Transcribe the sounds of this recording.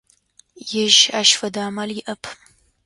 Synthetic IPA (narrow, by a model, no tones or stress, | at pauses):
jɪʒaːʃfɐdaːmaːljɪʔɐpʰ